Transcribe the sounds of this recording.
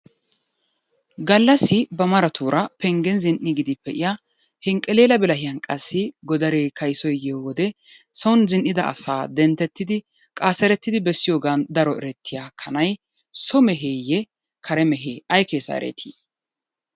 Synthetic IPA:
ɡɐlːɐsɪbɐmɐɾɐt̪ʰuːɾʔɐpɛŋɡɛnzɪnʔɪɡɪd̪ɪpːɛʔɪja | hɛŋkʼːɛleːlɐbɛlɐhɪjɐnkʼɐsːɪɡɔd̪ɐɾeːkʰɐjsɔjjewɔd̪ɛ | sɔwʊnzɪnʔɪd̪ɐɐ̰saːd̪ɛnt̪ːɛt̪ːɪd̪ɪ | kʼaːsɛɾɛt̪ːɪd̪ɪbɛsːɪjo̞ːɡaːnd̪ɐɾɔʔɛɾɛt̪ʰːɪjaːkʰɐnɐj | sɔmɛɦeːjɛ | kʰɐɾɛmɛɦeːʔɐjkeːsɐ̰ɛ̰ɾḛt̪ʰiː

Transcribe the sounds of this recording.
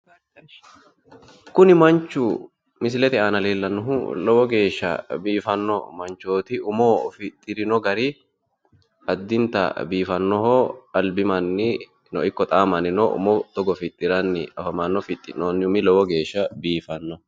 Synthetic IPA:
kʊnɪmɐnt͡ʃːʊ | mɪs̬ɪlɛt̪ɪaːnɐleːlːɐnːʊɦʊlɔwɔɡe̞ːʃːɐ̰biːfɐnːɔ̰mɐnt͡ʃːoːt̪ɪʊmoːfɪt̪ʼːɪɾɪnɔɡɐɾi | ɐd̪ːɪnt̪ɐ̰biːfɐnːɔhoːɐlbɪmɐnːɪ | nɔʔɪkːɔt̪ʼaːmɐnɪnɔʔʊ̰mɔt̪ɔɡɔfɪt̪ʼːɪɾɐnːɪ̰ɐfɐmanːɔfɪt̪ʼːɪnːoːnːɪʊmɪlɔwɔɡe̞ːʃːɐbiːfɐnːɔ

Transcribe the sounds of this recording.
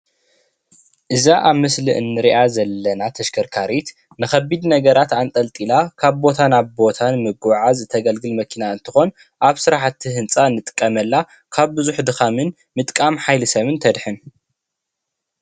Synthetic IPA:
ʔɨzaʔaβmɨsliʔɨnːɨɾiʔazɐlːɐnat̪ʰɐʃkʰɐɾkʰaɾit̪ | nɨxɐbid̪nɐɡɐɾat̪ant̪ʼɐlt̪ʼilakʰaβbo̞t̪ʰanaβbo̞t̪ʰanmɨɡʕazt̪ʰɐɡɐlɡɨlmɐkʰinaɨnt̪ʰɨxo̞n | ʔaβsɨɾaħt̪ʰːihɨnt͡sʼanɨt̪ʼɨ̥kʼːɐmɐlːa | kʰaβbɨzuħd̪ɨxamɨn | mɨt̪ʼkʼamħajlɨsɐβɨnt̪ʰɐd̪ħɨn

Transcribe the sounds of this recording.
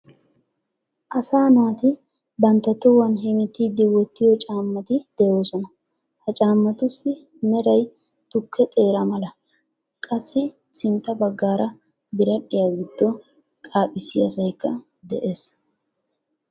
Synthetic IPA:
ʔɐsaːnaːt̪ɪ | bɐnt̪ːɐt̪ːɔwɐnɦɛmɪt̪ːiːd̪ːɪwɔt̪ːɪjɔt͡ʃʼaːmːɐt̪ɪd̪̥ɛjoːsɔnɐ | hɐt͡ʃʼaːmːɐt̪ʊsːɪ | mɛɾɐj | t̪ʊkʰːɛt̪ʼe̞ːɾɐmɐlɐ | kʼɐsːɪ | sɪnt̪ːɐbɐɡːaːɾʔɐ | bɪɾɐɗɪjaɡɪd̪̥ːɔ | kʼaːpʼːɪsɪɐsɐjkːɐ | d̪ɛʔe̞ːs

